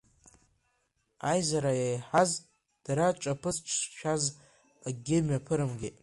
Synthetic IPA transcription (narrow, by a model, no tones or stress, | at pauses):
ajzaɾajajħaz | d̥aɾat͡ʃʷʼapʰɨzt͡ʃʷʰʃᶣaz | aɡʲɪmapʰɨɾɨmɡʲɪ